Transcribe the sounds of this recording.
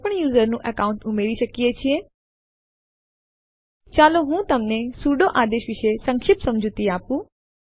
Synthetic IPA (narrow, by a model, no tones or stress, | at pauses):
pəɳjuːzəɾnũʔəkaʊ̃ɳʈʊmeɾiʃəkiet͡ʃʰie | t͡ʃaːloɦũːt̪əmnesuɖoʔaːd̪eʃʋɪʃesə̃ŋkʃɪpsəmd͡ʒʱut̪iaːpũː